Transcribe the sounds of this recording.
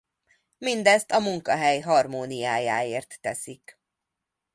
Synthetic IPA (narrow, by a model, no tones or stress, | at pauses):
mind̪ɛst̪ɒmuŋkɒɦɛjɦɒrmoːnijaːjaːeːrt̪ːɛsik